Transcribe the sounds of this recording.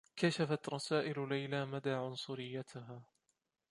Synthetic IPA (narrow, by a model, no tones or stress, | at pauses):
kaʃafat̪ɾˤɑsaːʔɪllajlaːmad̪aːʕʊnsˤʊɾɪjːat̪ʰʊɦaː